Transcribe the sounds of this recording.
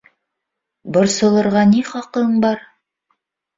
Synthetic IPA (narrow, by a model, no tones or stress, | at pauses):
bŏɾsɤ̆lˠɤ̆ɾʁɑniχɑqɤɴbɑɾ